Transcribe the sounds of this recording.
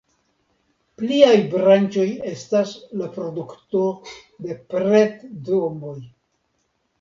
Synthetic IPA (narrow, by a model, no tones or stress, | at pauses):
pliajbɾant͡ʃo̞je̞staslapɾo̞dukto̞de̞pɾetdombo̞j